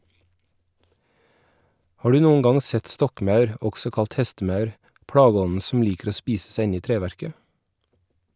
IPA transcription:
ˈhɑː ˈɖʉː ˈnuːʊn ˈɡɑŋ ˈsɛt ˈstɔkˌmɑʉɾ ˈɔɡsɔ ˈkɑlt ˈhɛstəˌmɑʉɾ ˈpɽɑːˌɡɔnn̩ sm̩ ˈliːkɾ̩ ˈoː ˈspiːss̩ ˈsæɪ ˈɪn ˈiː ˈtɾeːʋæɾkə

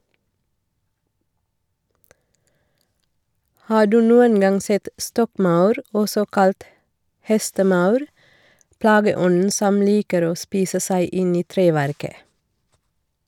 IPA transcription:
ˈhɑː ˈɖʉː ˈnuːən ˈɡɑŋ ˈsɛt ˈstɔkˌmɑʉɾ ˈɔsɔ ˈkɑlt ˈhɛstəˌmɑʉɾ ˈplɑːɡəˌɔnn̩ ˈsɔm ˈliːkəɾ ˈoː ˈspiːsə ˈsæɪ ˈʔɪn ˈiː ˈtɾeːʋæɾkə

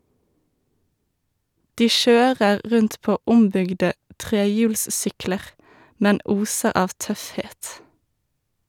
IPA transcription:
ˈdiː ˈʃøːʁəʁ ˈʁʉnt ˈpoː ˈʊmbʏɡdə ˈtʁeːˌjʉːlsˌsʏkləʁ ˈmɛn ˈuːsəʁ ˈɑːʋ ˈtœfˌheːt

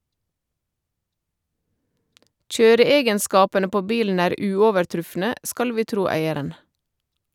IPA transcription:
ˈc͡çøːɾəˌeːɡənˌskɑːpənə ˈpoː ˈbiːln̩ ˈæːɾ ˈʉːɔʋəɾˌtɾʉfnə ˈskɑl ˈʋiː ˈtɾuː ˈæɪəɾən

